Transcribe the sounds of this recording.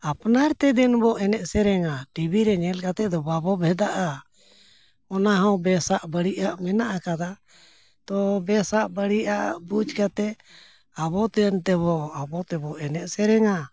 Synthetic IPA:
apnaɾt̪ɛd̪ɛnbɔʔɛnɛʔ̪sɛɾɛŋaʈibiɾɛɲɛlkat̪ɛd̪ɔbabɔbʱɛd̪aʔa | ɔnaɦaw̃bɛsaʔbəɽiʔaʔmɛnaʔakad̪a | t̪ɔbɛsaʔbəɽiʔaʔbud͡ʒkat̪ɛ | abɔt̪ɛnt̪ɛβɔabɔt̪ɛbɔʔɛnɛʔ̪̚sɛɾɛŋa

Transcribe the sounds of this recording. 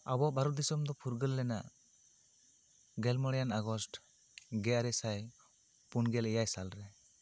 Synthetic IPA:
abɔbaɾɔd̪isɔmd̪ɔpʰuɾɡəlːɛnaʔ | ɡɛlmɔɽjanaɡɔsʈ | ɡɛaɾɛsaj | punɡɛlɛjajsalɾɛ

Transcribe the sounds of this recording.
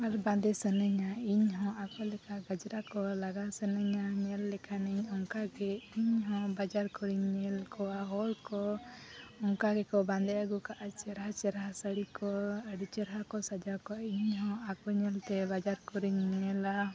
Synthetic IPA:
aɾband̪ɛsənəɲaiɲɦɔ̃akɔlɛkʰaɡad͡ʒɾakɔlaɡasənəɲaɲɛlːɛkʰaniɲɔŋkaɡɛiɲɦɔ̃bad͡ʒaɾkɔɾiɲɲɛlkɔwaɦɔɾkɔ | ɔŋkaɡɛkɔbãnd̪ɛaɡukaʔat͡ʃɛɾat͡ʃɛɾasəɽikɔəɖit͡ʃəɾɦakɔsad͡ʒakɔaiɲɦɔ̃akɔɲɛlt̪ɛbad͡ʒaɾkɔɾiɲːɛla

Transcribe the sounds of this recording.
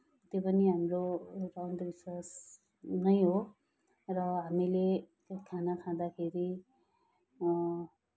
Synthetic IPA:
t̪jopʌniɦamrorawnd̪biswas | nʌjɦo | rʌɦamile | kʰanakʰãd̪akʰeɾi

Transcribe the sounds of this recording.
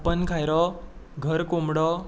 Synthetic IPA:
pənkʰajɾɔɡʱəɾkomɽɔ

